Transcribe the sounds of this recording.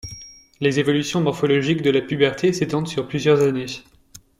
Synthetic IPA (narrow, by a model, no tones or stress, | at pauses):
lezevɔlysjɔ̃mɔʁfɔlɔʒikd̪əlapybɛʁt̪ʰeset̪ɑ̃d̪syʁplyzjœʁzane